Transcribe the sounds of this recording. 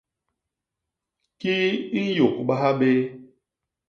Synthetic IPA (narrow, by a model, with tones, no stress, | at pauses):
ki˦i˦n̩˦jo˨kɓa˦ɦa˦ɓe˦